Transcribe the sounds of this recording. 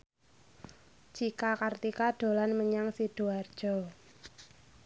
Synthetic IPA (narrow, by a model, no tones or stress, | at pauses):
d͡ʒ̥ikakart̪ikaɖ̥o̤lanməɲaŋsiɖ̥oard̥ʒ̥ɔ